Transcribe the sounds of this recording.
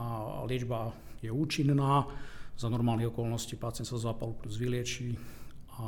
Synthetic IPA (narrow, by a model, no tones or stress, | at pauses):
alɪɛd͡ʒba | jɛuːt͡ʃinnaːzanɔɾmaːlniɦɔkɔlnɔsciːpaːtt͡sɪɛnt̪sazaːpalupluzʋilɪɛt͡ʃiːa